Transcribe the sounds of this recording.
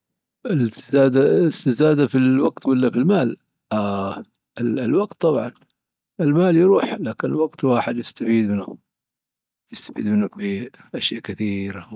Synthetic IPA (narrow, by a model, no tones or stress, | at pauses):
ʔɪlzaːd̪aɪst̪ɪzaːd̪afiwaɡt̪walːafilmaːl | a | ɪllwɑɡt̪ːɑbʕɑ̰n | ɪlmaːljɾuːħlaːkɪnɪlwɑɡt̪waːħɪd̪jɪst̪afiːd̪mɪnʊ | jɪst̪ḁfḭːd̪mɪnːʊbiʔaʃjaːʔkɪθiːɾa